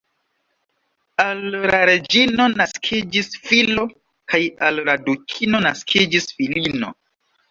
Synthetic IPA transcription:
alɾaɾe̞d͡ʒino̞naskʰid͡ʒisfilo̞ | kajalladukʰino̞naskʰid͡ʒisfilino̞̰

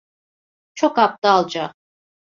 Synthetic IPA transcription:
t͡ʃʰokap̚t̪aːlˠd͡ʒaq̚

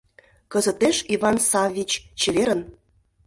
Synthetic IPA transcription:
kə̆zə̆t̪eʃivɑnsɑvʲit͡ɕt͡ɕeβeɾə̆n

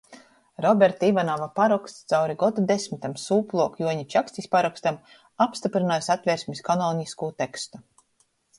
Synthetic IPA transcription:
ɾɔbʲɛɾt̪aivanɔvapaɾɔkst̪st̪sawɾiɡɔd̪ud̪esʲmit̪amsuːplˠuɔkjuɔɲit͡ʃakst̪ʲisʲpaɾɔkst̪am | apst̪ipɾinaːjsat̪vʲɛːɾsʲmʲiskanɔːnʲiskuːt̪ekst̪u

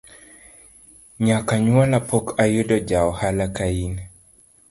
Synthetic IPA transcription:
ɲakaɲwalapokajodɔd͡ʒaɔhalakain

